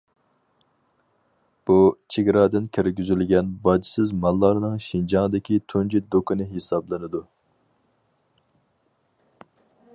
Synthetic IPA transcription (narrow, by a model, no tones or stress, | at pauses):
b̥ut͡ʃʰeɡʲɾɑːd̪ɪnkʲʰeɾɡʲyzylɡʲɛnbɑd͡ʒi̥sɪzmɑlˠːɑɾnɨŋʃind͡ʒɑŋd̪ɪkʲit̪ʰund͡ʒid̪okʰɨnɨɦesɑblˠɨnɨd̪u